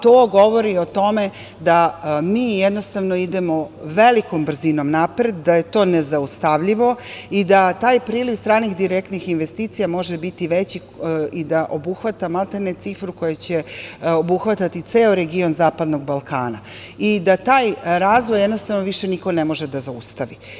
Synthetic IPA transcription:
t̪oːɡo̞ʋo̞ɾio̞t̪o̞me̞ | d̪amiːjed̪no̞st̪aʋno̞id̪emo̞ʋeliko̞mbr̩zino̞mnapɾed̪ːaje̞t̪o̞ːnezaust̪aʋʎiʋo̞id̪at̪aːjpɾiːliʋst̪ɾaːnixd̪iɾekt̪nixinʋest̪iːt̪sijamo̞ʒebit̪iʋet͡ɕi | id̪aʔobuxʋat̪amalˠt̪enet̪sifɾuko̞jat͡ɕeobuxʋat̪at̪it̪seːoɾeɡio̞nzaːpad̪no̞ɡbalˠkʰaːna̰ | id̪at̪aːjɾaːzʋojed̪nost̪avnoʋiʃeniko̞nemo̞ʒed̪azaust̪aʋi

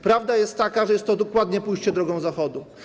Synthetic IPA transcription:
pɾavd̪ajɛst̪ːakaʐɛjɛst̪ːɔd̪ɔkwad̪ɲɛpujɕt͡ɕɛd̪ɾɔɡɔ̃w̃zaxɔd̪u

